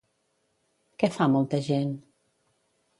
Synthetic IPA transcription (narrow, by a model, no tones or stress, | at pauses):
kɛfamɔlˠt̪əʒen